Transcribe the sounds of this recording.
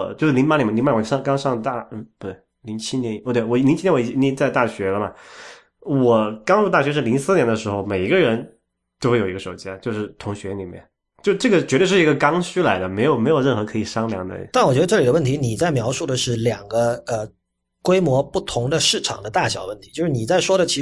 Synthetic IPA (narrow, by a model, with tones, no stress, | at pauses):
t͡ɕjʂ̩˥˩li˧˥nma˧˥nli˨˩˨li˧˥ma˥˩˧ʂɑ˥˧ŋkɑ˥ŋʂɑ˥˧ŋə˧t̪a˥˩˥u˧˥˩t̪wɪ | li˧˥ŋt͡ɕʰi˥njɛ˧˥n˨˩˧t̪wwɔ˨˩li˧˥t͡ɕʰi˥ɛ˧˥wt͡ɕi˥˩ni˧˥t͡sa˥˧ɪt̪a˥˩ɕɥɛ˧˥lə˧mɐ˨ | wɔ˨˩kɑ˥ŋu˥˧t̪a˥˩ɕɥɛ˧˥ʂ̬ɻ̩˥˩li˧˥ŋsɹ̩˥njɛ˧˥nd̪ə˧ʂɻ̩˧˥xo˥˧ʊme˨˩ɪi˧˥ɡə˧ɻə˧˥n | t͡ɕ̪o˥xe˥˩jo˨˩˧ɡə˧ʂo˨˩ʊt͡ɕja˥t͡ɕjo˥˧ʊʂɻ̩˥˩t̪ʰʊ˧˥ŋɕɥɛ˧˥nli˨˩mjɛ̰˥˩n | t͡ɕjo˥˧ʊʈ͡ʂɤ˥˩ɡə˩t͡ɕɥɛ˧˥t̪wʂɻ̩˥˩i˧˥ɡə˧kɑ˥ŋɕy˥la˧˥ɪd̪ə˧me˧˥ɪjo˨˩ʊme˧˥ɪjo˨˩ʊɻə˥˩nxɤ˧˥kʰɤ˧˥i˨˩ʂɑ˥ŋljɑ˧˥ŋd̪ə̰˩˦t̪a˥˩nwɔ˨˩t͡ɕɥɛ˧˥ə˧ʈ͡ʂɤ˥˩li˨˩də˦wə˥˩nt̪ʰi˧˥ni˨˩t͡sa˥˩ɪmjɑ˧˥ʊʂu˥˩d̪ə˩ʂɻ̩˥˩ljɑ˨˩ŋɡə˦ə˧ | kwe˥ɪmwɔ˧˥pu˥˩t̪ʰʊ˧˥ŋd̪ə˧ʂɻ̩˥˩ʈ͡ʂʰɑ̰˨˩ŋd̪ə˦t̪a˥˩ɕjɑ˨˩ʊwə˥˩nt̪ʰi˧˥t͡ɕjo˥˧ʊʂɻ̩˥˩ni˨˩t͡sa˥˩ɪʂwɔ˥ɾə˨t͡ɕʰi˧˥